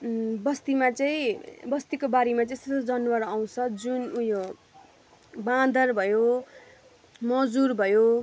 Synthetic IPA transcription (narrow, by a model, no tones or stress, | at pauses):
bʌst̪imat͡sʌĩbʌst̪ikobaɾemat͡sʌeĩstʌod͡zʌnwʌɾaw̃t͡sʰʌd͡zunujo | bad̪ʱʌrbʱʌjo | mʌd͡zurbʱʌjo